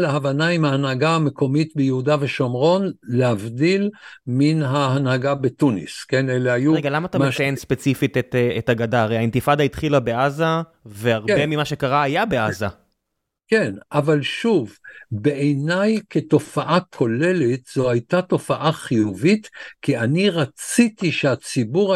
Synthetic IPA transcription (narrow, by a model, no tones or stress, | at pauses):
laɦavanaimhaːnhaɡaame̞ko̞mit̪bejehudaveʃomʁo̞nlehavdilminɦaɦanhaɡabe̞tunḭske̞nelehajuʁeɡalamaːtamet͡sajenspe̞t͡sifit̪et̪etaɡadaʁejaint̪ifad̪ait̪χilabe̞ʔaza | veaʁbemimaʃekaʁaːjabe̞aza | kenavalʃuvbeʔejnajketo̞faʔakʰo̞le̞letz̥o̞hajtato̞faʔaχijuvitkianiʁat͡sitiʃeat͡sibuʁ